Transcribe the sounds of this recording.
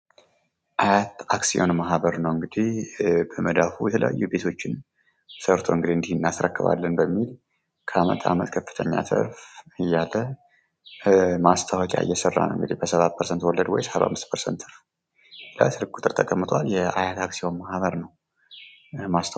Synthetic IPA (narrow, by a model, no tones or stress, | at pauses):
ʔajat̪aksio̞nmaɦβəɾnəwɨŋɡɨd̪ihbəməd̪afujɛt̪ʰələ̰ja̰jːube̞t̪ʰo̞t͡ʃːɪn | səɾt̪ʰo̞̰ŋɡɨd̪iɨnd̪ihɨnːasɾə̰kːɨβa̰lːənbəmːil | kʰəamə̰t̪ʼʰa̰mət̪kʰəfːɨt̪ʰəɲːa̰t̪ʰə̰ɾfɨjːalːə | mast̪ʰawɔkʼa̰ɨ̰jːɛsərːa̰nə̰wɨŋɡɨd̪ihbəsəβat̪̚pʰəɾsənt̪wɔləd̪wɔ̰jshaβa̰mːɨst̪pʰəɾsənt̪ɨɾf | la̰sɨɾɡ̚kʼut̪ʼɨɾt̪ʰəkʼəmːɨt̪ʼwaljɛajat̪aksio̞nmahβəɾnəw | mast̪ʰ